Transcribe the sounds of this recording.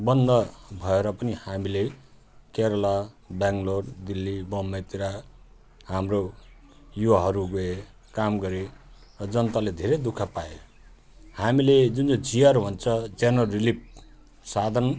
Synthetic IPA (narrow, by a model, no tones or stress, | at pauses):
bʌnd̪ʌbʱʌeɾʌpʌnihamile | keɾʌla | baŋɡloɽd̪ilːibʌmːet̪iɾa | hamro | juwaɦʌɾuɡoe | kamɡʌɾe | rʌd͡zʌnt̪aled̪ʱeɾejd̪ukʰapae | hamiled͡zund͡zʌd͡zijaɾɦunt͡sʰʌd͡zenʌrilip̚ | sad̪ʱʌn